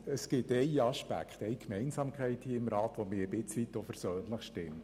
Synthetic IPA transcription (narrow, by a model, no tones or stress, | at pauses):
əsɡ̥ɪtɛɪɑʃpæ̰kχtɛjkʰmɛɪnsɑmkχɛɪthiːɪmɾɑːtʋomɪːɾəbɪt͡sʋit̪ːofɛɾsøːnləχʃtɪmt